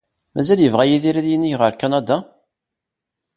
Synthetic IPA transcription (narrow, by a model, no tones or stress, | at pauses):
mæzæljəvʁæjiðiɾæðjinːiçʁəɾkɑnɑd̪ɑ